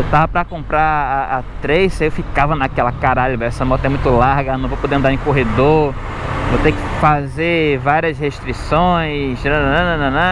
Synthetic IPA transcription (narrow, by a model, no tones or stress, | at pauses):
ewt̪avɐpɾɐkõmpɾaaat̪ɾejsewfikavɐnakɛlɐkaɾaʎʊvɛɛsɐmɔt̪ɐɛmũj̃t̪ʊlaɾɡɐɐnɐ̃w̃vopod̪eɐ̃d̪aɾẽkoɦed̪o | vot̪ekɪ̥fazevaɾiɐsheʃt̪ɾisõj̃snɐ̃ñnɐ̃nɐ̃nɐ̃